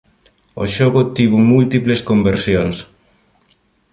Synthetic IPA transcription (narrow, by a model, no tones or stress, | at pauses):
o̰ʃoɣʊt̪iβʊmult̪ipleskombeɾsjons